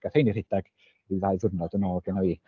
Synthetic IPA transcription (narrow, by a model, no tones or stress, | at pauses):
ɡ̥aθejnir̥ɪd̥aɡ̥ | iðaɨðʊrnɔdənoːɡənawi